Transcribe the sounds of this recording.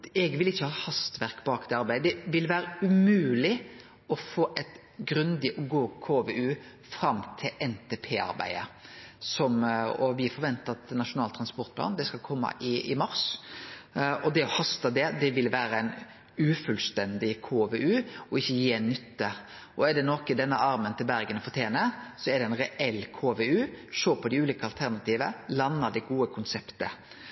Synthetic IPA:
ɛɡʋɪlɪçːəhɑːhɑst̪ʋæɾkbɑːkd̪ɛɑɾbæɪd̪əd̪ɛʋɪlʋæːɾəʉmʉːlɪ | ɔfoːʔɛt̪ | ɡɾʉnd̪ɪʔɔɡoːkʰoːʋeʉː | fɾɑmt̪ʰɪʔɛnt̪ʰeːpʰeːɑ̰ɾbæ̰ɪə̰sɔmɔʋɪfɔɾʁʋɛnt̪ɑt̪nɑʂʊnɑːlt̪ʰɾɑnspɔɾt̪plɑ̰ːnd̪ɛskɑlkʰɔmːɑ̰ʔɪɪmɑɾs | ɔd̪ɛɔhɑst̪əd̪ɛd̪ɛʋɪlʋæːɾəæɪn | ʉːfʉlst̪ɛnd̪ɪkʰoːʋeːʉːɔɪçːəjiːɛnːʏt̪ːə | ɔɛɖ̪ɛnɔkɪd̪ɛnːəʔɑɾmənt̪ʰɪlbæɾɡənɔfɔt̪ʰjeːnəsɔɛɖ̪ɛɛnɾɛʔɛlːkʰoːʋeːʉːʃoːpʰɔd̪ɪʉːliːkəɑlt̪ʰæʁnɑt̪ʰiːʋəlɑnːəd̪ɛɡuːəkʰʊnsɛpt̪ə

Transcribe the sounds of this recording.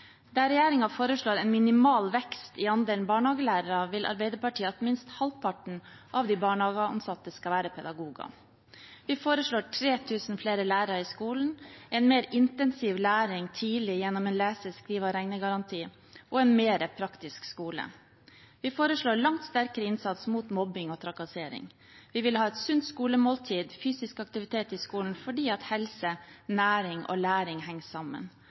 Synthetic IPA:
d̪æɾɛjæːɾɪŋɑfoːɾəʂɭoːɾɛnmɪnɪmɑːlʋɛkst̪ɪɑnd̪eːln̩bɑːɳhɑːɡəlæːɾəɾɑʋɪlʔɑ̰ɾbɛɪd̪əɾpɑʈʰiːət̪mɪnst̪hɑlpʰɑʈɳ̩ | ʔɑʋd̪iːbɑːɳhɑːɡəɑ̰nsɑt̪əskɑʋæːɾəpʰɛd̪ɑɡuːɡɑ̰ | ʋɪfoːɾəʂɭoːʈʰɾeːt̪ʰʉːsn̩fleːɾəlæːɾəɾɑiskuːln̩ʔɛnmeːɾɪnt̪ɛnsiʋlæːɾɪŋt̪ʰiːlɪjɛnːɔmɛːnlæːsəskɾiːʋɑɾɛŋnəɡɑɾɑnt̪ʰiː | ʔɔɛnmeːɾəpʰɾɑkt̪ɪskskuːlə̰ | ʋɪfoːɾəʂɭoːɭɑŋt̪st̪æɾkəɾəɪnsɑt̪smuːt̪mɔbɪŋoːt̪ʰɾɑkɑseːɾɪ̰ŋ | ʋɪʋɪlhɑːɛt̪sʉnt̪skuːləmoːlt̪ʰiːd̪fyːsɪskɑk̚t̪ɪʋɪt̪ʰeːt̪ɪskuːln̩fɔɖiːɑt̪hɛlsənæːɾɪŋo̰ːlæːɾɪŋhɛŋsɑmə̰n

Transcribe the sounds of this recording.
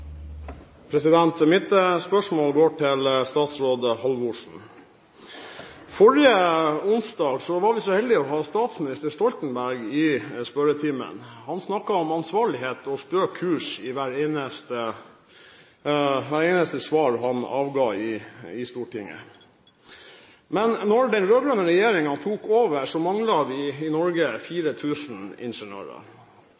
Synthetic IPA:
pʰɾɛsɪd̪ɛnt̪əmɪt̪əspœʂmoːlɡoːʈʰɪlst̪ɑːt̪sɾoːd̪əhɑlʋʊʂn̩ | fɔɾɪəʊnsd̪ɑːɡsɔʋɑɾʋɪsɔhɛld̪ɪɔɦɑːst̪ɑːt̪smɪnɪst̪əʂt̪ɔlt̪n̩bæɾɡɪspœɾət̪ʰiːmə̰nhɑnsnɑkːɑɔmɑnsʋɑːɭɪheːt̪ɔst̪øːkʰʉːʂɪʋæːɾeːnəst̪ə | ʋæɾeːnəst̪əsʋɑːɾɦɑnɑ̰ːʋɡɑːɪɪst̪uːʈʰɪŋːə̰ | mɛnːɔɖɛnɾøːɡɾœnəɾɛjeːɾɪŋɑnt̪ʰuːkoːʋəʂɔmɑŋlɑʋ̪ɪɪnɔɾɡəfiːɾət̪ʰʉːsn̩ɪ̰nʂəɳø̰ːɾə̰

